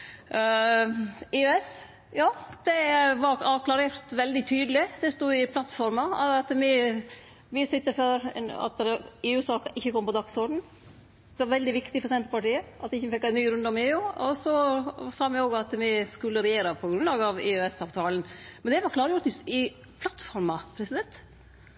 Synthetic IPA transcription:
ɪøɛs | jɑːd̪̥ɛʋɑɾɑɾkʰlɑɾɛɾt̪ʋɛld̪ɪt̪ʰyːd̪əlɪd̪ɛst̪uːɪpʰlɑt̪ːfɔɾmɑɑɑt̪mɪ | mɪsʏt̪ːəføːɾɑ̰t̪eːʉsɑːkɪçːəkʰɔmːpɔd̪ɑɡsɔɾɖɳ̩ | d̪ɛʋɑɾʋɛld̪ɪʋɪkt̪ɪfɔɾsɛnt̪əpɑʈiːəʔɑt̪ːɪçːəfɛkːæɪnyːɾʉnd̪əɔmeːʉːɔsɔsɑːmɪoːɡɑt̪mɪskʉlːəɾɛjeːɾɑpʰɔɡɾʉnlɑːɡɑʋɪ̰øɛsɑʋt̪ʰɑːlən̩mɛnd̪ɛʋɑɾkʰlɑːɾəjʊɾt̪ɪɪ | pʰlɑt̪ːfɔɾmɑpʰɾɛsɪd̪ɛnt̪

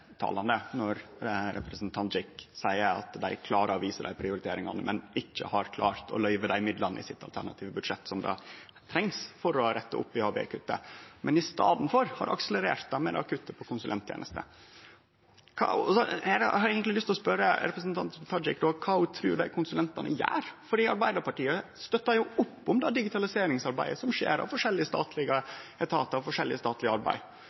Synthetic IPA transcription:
t̪ʰɑ̰ːlɑnd̪ənɔɾɾɛpɾəsnt̪ʰɑnt̪d͡ʒɪksæɪəɾɑ̰t̪d̪æɪkʰlɑːɾəɔʋiːsəɖ̪æɪpʰɾɪʊɾɪt̪ʰeːɾɪŋɑ̰nəmʔɛnʔɪçːə̰hɑɾkʰlɑ̰ːɾt̪ʰɔ̰lœʏʋəd̪æɪmɪd̪lɑnɪ̰sɪt̪ːɑlt̪ʰæ̰ɳɑt̪ʰiːʋəbʉd̪ʂɛt̪ːsɔmd̪ɑ̰ | t̪ʰɾɛŋsfɔɾɔɾɛt̪ːəʔʊ̰pːɪhɑːbḛːkʰʉt̪ːə̰mʔɛnɪst̪ɑ̰ːd̪nfɔɾhɑ̰ɾʔɑ̰ksələɾḛːɾt̪̚d̪ɑmɛ̰ɾɑ̰kʰʉt̪ːəpʰɔkʰʊnsʉlɛnt̪ʰjḛːnəst̪ə̰ | kʰɑ̰ɔsɔɛɾhɑɾeːɡɛnt̪lɪlʏst̪lɔspœɾəɾɛpɾəsnt̪ʰɑnt̪t̪ʰɑɪ̰kd̪ɔːkʰɑːʊt̪ʰɾʉ̰ːɖd̪æɪkʰʊnsʉlɛnt̪ɑnə̰jæ̰ːɾfɔɖiːɑɾbæɪd̪əɾpʰɑʈiːəst̪œt̪ːɑjʊʊpːʊmd̪ɑːd̪ɪɡɪt̪ʰɑlɪseːɾɪŋsɑɾbæɪəsɔmʂḛːɾɑ̰ʋfɔʂɛlːɪəst̪ɑ̰ːt̪ʰlɪɡəɛt̪ʰɑːt̪ɑʋfɔʂɛlːɪ̰əst̪ɑːt̪lɪɑɾbæ̰ɪ

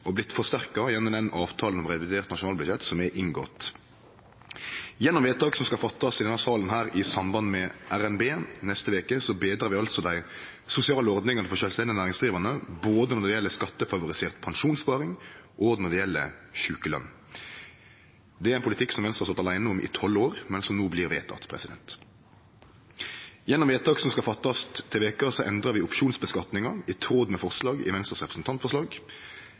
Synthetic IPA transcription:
ʔɔblɪt̪ːfɔʁst̪æʁkɑjɛnːʊnɛnɑːʋt̪ʰɑːlnɔmʁɛʋɪd̪eːʁt̪nɑʃʊnɑːlbʉd̪çɛt̪ːsɔmɛʔɪŋɡo̰ːt̪ | jɛnːɔmʋɛːt̪ʰɑːɡsɔmskɑfɑt̪ʰːɑsɪd̪ɛnɑsɑːlənhæːɾɪsɑmbɑnmɛæɾɛnbeːnɛst̪əʋeːkəsɔbeːd̪ɾʁɑɾʋɪɑlsɔd̪æɪ | sʊsɪɑːləɔʁd̪nɪŋɑnəfɔʁʃœːlst̪ɛnd̪ɪnæːɾɪŋsd̪ʁiːʋɑnəboːd̪ənɔd̪ɪjɛlːəskɑt̪ːəfɑʋʊɾɪseːʁt̪pʰɑnʂuːnspɑːʁɪŋʔoːɡnɔd̪ɪjɛlːə̰çʉːkəlœ̰nː | d̪ɛæɾæɪnpʊlɪt̪ʰɪkːsɔmʋɛnst̪ʁhɑsɑt̪ɑlæɪnəʊmʔɪ̰t̪ʰɔloːɾmɛnsɔmnuːblɪːɾʋḛːt̪ʰɑ̰t̪pʰʁɛ̰sɪd̪ɛ̰nt̪ | jɛnːɔmʋeːt̪ʰɑːksɔmskɑfɑt̪ːɑst̪ʰːɪlʋeːkəsɔʔɛ̰nd̪ɾɑʋɪʊpʂuːnsbəskɑt̪nɪŋɑɪt̪ʰɾoːd̪mɛfɔʁslɑːɡɪ̰ʋɛnst̪əsʁɛpɾəsn̩t̪ʰɑnt̪fɔʁʂlɑːɡ

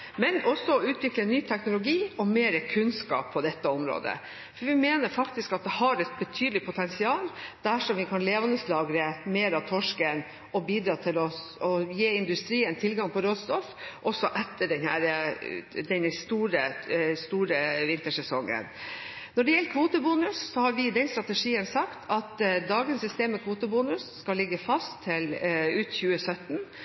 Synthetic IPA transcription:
mɛnɔsːɔɔʉːt̪ʰʋɪklənːyːt̪ʰɛknʊlʊɡiːɔmeːɾəkʰʉnskɑ̰ːpʰːɔd̪ɛt̪ːəɔmɾo̰ːd̪ə̰ | fɔɾʋɪmeːnəɾfɑkt̪ɪskɑt̪̚d̪ɛhɑɾɛt̪̚bɛt̪ʰyːd̪əlɪpʰʊt̪ʰɛnsɪɑːld̪̥æʂɔmʋɪkʰɑnleːʋɑnəslɑːɡɾəmeːɾɑt̪ʰɔʂkən | ɔbiːd̪ɾɑːt̪ʰɪlɔɔjeːɪnd̪ʉst̪ɾiːənt̪ʰɪlɡɑŋpʰɔɾoːd̪st̪ɔfʔɔsːɔʔɛt̪ʰːəɖɛnhæɾə | d̪ɛnəst̪uːɾəst̪uːɾəʋɪnt̪əʂɛsɔŋːə̰nnnɔɖɛjɛləkʰʋuːt̪əbuːnʉssɔhɑɾʋɪd̪ɛnst̪ɾɑt̪ɛʂiːənsɑkt̪ʰɑt̪d̪ɑːɡənsɪst̪eːməkʰʋuːt̪əbuːnʉsːkɑlːɪɡːəfɑst̪ʰːɪlʉːt̪çʉːəsœt̪n̩

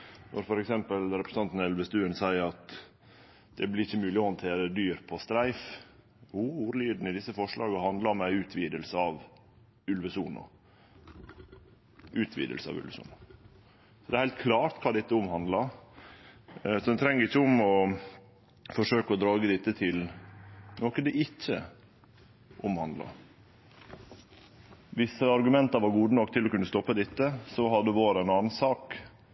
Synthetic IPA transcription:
nʔɔ̰ɾfɔɾɛksɛmpəlɾɛpɾəsɑnt̪n̩ɛlʋəst̪ʉːənsæɪəɾɑt̪ | d̪̥ɛblɪɾɪçːəmʉːlɪɔhɔnt̪ʰeːɾəd̪yːɾpʰɔst̪ɾæɪf | uuːɾliːd̪n̩ɪd̪ɪsːəfɔʂɭɑːɡəhɑnd̪lɑmɛʉːt̪ʰʋiːd̪əlsəɑʋ | ʉlʋəsuːnʊ̰ | ʉːt̪ʰʋḭːd̪ə̰lsəɑ̰ʋʉ̰lʋəsṵːnʊ | sɔd̪ɛæɾhæɪlt̪kʰlɑːɾt̪kʰɑːd̪ɛt̪ːəʊmhɑnd̪lɑɾ | sɔd̪ɛnt̪ʰɾɛŋːəɾɪçːəʊmɔ | fɔʂøːkəɔd̪ɾɑːɡəd̪ɪt̪ːət̪ʰɪl | noːkəd̪ɛʔɪçːə̰ | ʔʊmhɑnd̪lɑ̰ɾ | ʋɪsəɑɾɡʉmɛnt̪ɑɾʋɑɾɡuːd̪ənɔkːt̪ʰɪlɔkʉnːəst̪ɔpːəd̪ɪt̪ːəsɔhɑd̪ːəʋoːɾænɑːnn̩sɑːk

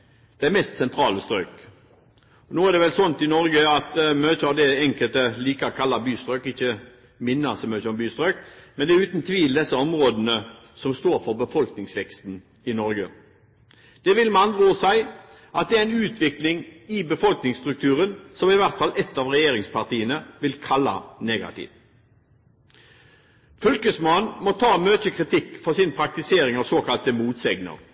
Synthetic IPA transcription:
d̪̥ɛæmɛst̪sɛnt̪ʰɾɑːləst̪ɾœːk | ɔnoːæʁd̪ɛʋɛlsɔnt̪ɪnɔɾɡəɑt̪møːçəɑʋd̪ɛɛŋkəlt̪əliːkɑkʰɑlːɑbyːst̪ɾœːkɪçːə | mɪnːɑsmøːtəɔmbyːst̪ɾøːk̚mɛnd̪ɛʉːt̪nt̪ʰʋiːld̪ɛsːəɔmʁoːd̪ənə | sɔmst̪oːɾfɔʁbəfɔlknɪŋsʋɛkst̪n | ɪnɔɾɡə | d̪̥ɛʋɪlmɑnʁuːsæɪ | ʔɑt̪̚d̪ɛæɪnʉːt̪ʰʋɪklɪŋɪbəfɔlknɪŋst̪ʁʉk̚t̪ʰʉːʁənsɔmɪʋæʁt̪fɑlɛt̪ːɑːʋʁɛjeːʁɪŋspʰɑʁt̪iːənəʋɪlkʰɑlːɑ̰neːɡɑ̰t̪ḭːʋ | fʉlkəsmɑnmɔt̪ʰɑːmøːt̪əkʰʁɪt̪ʰɪkːfɔʁsɪnpʰɾɑk̚t̪ɪseːɾɪŋɑʋsoːkʰɑlt̪əmuːt̪sɛɡnə̰ʁ

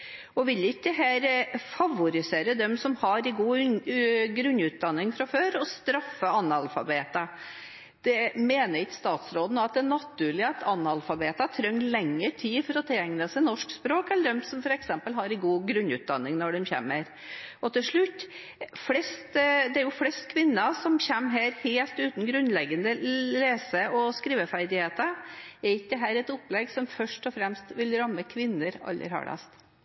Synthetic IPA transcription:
ɔʋɪlːɪkːd̪ɛɦæːɾfɑʋʊɾɪseːɾəd̪ɛmsɔmhɑɾɪɡuː | ɡɾʉnːʉːt̪̚d̪ɑnːɪŋfɾɑføːɾɔst̪ɾɑfːəɑnːɑlfɑ̰beːt̪ɑ | d̪̥ɛmeːnəɾɪkːst̪ɑːt̪sɾoːd̪ənoɑt̪̚d̪ɛnɑt̪ːʉːɾɭɪɑt̪ʰɑnːɑlfɑbeːt̪ɑt̪ʰɾœŋːlɛŋːəʈʰiːfɔɾɔt̪ʰɪljɛŋnəsɛɪnɔʂkspɾoːkɛlːəɖɛmsɔmfɔɾɛksɛmpəlɦɑɾɪɡuːɡɾʉnʉːt̪̚d̪ɑ̰nːɪŋnɔɖɛmçæ̰məɾ | ɔt̪ɪlʂɭʉt̪ː | flɛst̪d̪ɛæɾjʊflɛst̪kʰʋɪnːəsɔmçɛmːɦæːɾheːlt̪ʉːt̪n̩ɡɾʉnlɛɡənəleːsəʔɔskɾiːʋəfæɾd̪ɪheːt̪əɛɾɪk̚d̪əɦæːɾɛt̪ʊpːlɛɡsɔmfœʂʈɔfɾɛmst̪ʋɪlɾɑmːəkʰʋɪnːəɾɑ̰lːə̰ɾhɑ̰ɖɑ̰st̪

